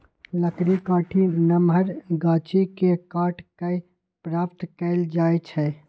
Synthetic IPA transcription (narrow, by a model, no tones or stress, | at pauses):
ləkɾikaːʈʰinəməɾɡaːt͡ʃikekaːʈkə | pɾaːpt̪kəɪld͡ʒaːjt͡ʃʰɛ